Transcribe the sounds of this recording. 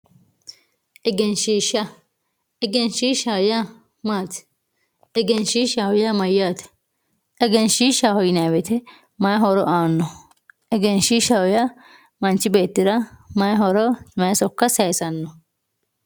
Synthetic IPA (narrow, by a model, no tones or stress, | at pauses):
ʔɛɡɛnʃiːʃɐ | ɛɡɛnʃiːʃaːja | maːt̪ɪ̥ | ɛɡɛnʃiʃawɔjamɐjaːt̪ɛ̥ | ɛɡɛnʃiːʃaːhɔjɪnaːwɛt̪ɛ | mɐjɦɔɾɔʔaːnːɔ | ɛɡɛnʃiːʃɐwɔjɐ | mɐnt͡ʃːɪbe̞ːt̪ːɪɾɐmɐjɦɔɾɔmɐjɐsɔkːɐsɐjsɐnːɔ